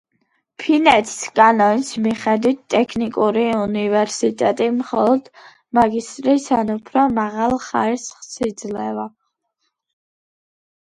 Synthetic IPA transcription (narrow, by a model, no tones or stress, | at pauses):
pʰinɛt̪ʰi̥skʼanɔnsmiχɛd̪wit̪̚ʰt̪ʼːɛkʰnikʼuɾiunivɛɾsit̪ʼɛt̪ʼimχɔlˠɔd̪̥ | maɡist̪ʼɾisanupʰɾɔmaʁalˠχaɾisχsid̪zlɛva